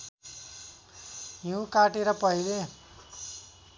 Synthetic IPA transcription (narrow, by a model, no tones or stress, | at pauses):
jiũkaʈeɾʌpʌɦile